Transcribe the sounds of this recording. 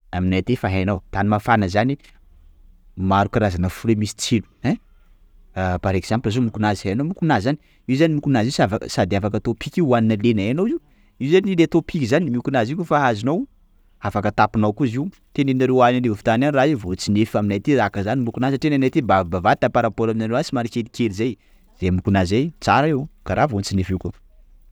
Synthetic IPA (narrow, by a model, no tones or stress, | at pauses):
aminajt̪efaɦenawt̪animafanəzani | maɾukiɾazanəfulemisi̥t͡silu̥ɛ | paɾekz̥amplazomukunaziheanomukunazzani | iwzanimukunazisavasad̪iafakət̪opʰikiuaninəlenaanowiw | iwzanilet̪opʰikʲizanimiukunaziukufaazinow | afakət̪apinawkuziwu | t̪eneinaɾewananevufi̥t̪ananiraivot͡sinefaminajt̪iɾakazanimukunazəʈ͡ʂenanajt̪ibabavat̪apaɾapolaminaɾewat͡simaɾikelikelizaj | z̥emukunazzajt͡sa̰ɾaiwkaɾavot͡sinefiku